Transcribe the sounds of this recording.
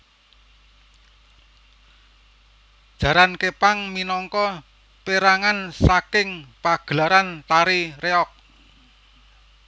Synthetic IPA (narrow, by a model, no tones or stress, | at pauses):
d̥ʒ̥ä̤ɾankepaŋminɔŋkɔ | peɾaŋansakɪŋpaɡ̥əlaɾant̪aɾireɔk̚